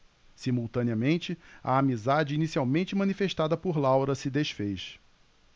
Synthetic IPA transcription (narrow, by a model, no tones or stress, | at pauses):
simuwt̪ɐ̃niɐmẽnt͡ʃɪɐ̰amizad͡ʒɪinisiawmẽnt͡ʃɪmɐ̃nifeʃt̪ad̪ɐpʊɾlawɾɐsɪd̪eʃfejʃ